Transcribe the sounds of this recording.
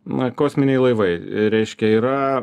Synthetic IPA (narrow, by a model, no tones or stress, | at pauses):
nɐkoːsʲmʲɪnʲɛɪlˠɐɪʋɐɪɾʲɛɪʃʲkʲɛiːɾɐ